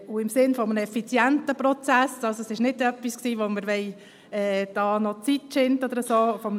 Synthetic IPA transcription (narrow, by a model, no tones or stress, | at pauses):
uɪmsɪnfɔmənəɛfit͡sjæntəpɾɔt͡sæsɑlsoɛsɪʃnɪdœpːisksiːʋoməɾʋɛɪ | ɛːd̥ɑːnɔt͡sitt͡ʃɪntɔd̥̪əɾəsoːfɔmə